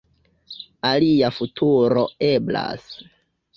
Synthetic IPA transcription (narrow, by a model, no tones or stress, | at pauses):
aliafutʰuɾoe̞bla̰s